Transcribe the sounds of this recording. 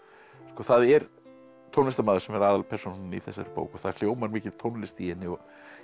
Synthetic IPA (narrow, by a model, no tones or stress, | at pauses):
skɔːθaðɛɾ | t̪ʰownlɪst̪amaːðʏɾ̥sɛmɛɾaːðalpʰɛr̥sownanḭθɛsːaɾpo̰ːwkɔθað̥l̥joːwmaɾmiːcɪlt̪ʰownlɪst̪iɛnːɪɔ